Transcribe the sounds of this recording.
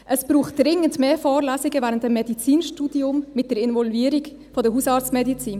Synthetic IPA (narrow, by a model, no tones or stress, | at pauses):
ʔəsb̥ɾuːχtd̥ɾɪŋəntmeːfɔːɾlæsɪɡəvɛːʁəntd̥emːedit͡siːnʃtuːdiʊmmɪt̚d̥eːɾɪnvɔlviːɾɪɡ | fɔdɛɦuːsɑːɾt͡smedit͡siːn